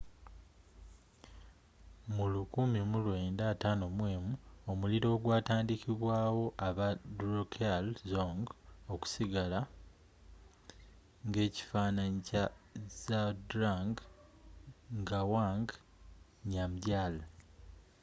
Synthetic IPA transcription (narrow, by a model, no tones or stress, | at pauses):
mulukumimulwe̞ːndaːtaːno̞mwe̞ːmuo̞muliɾo̞ːɡwaːtaːndikiβwaːwo̞ʔaβadɾokʰalzoŋɡoku̥siɡala | ŋɡe̞ːci̥faːnaɲicazadɾaŋɡ | ŋɡawaŋɡ | ɲamɟala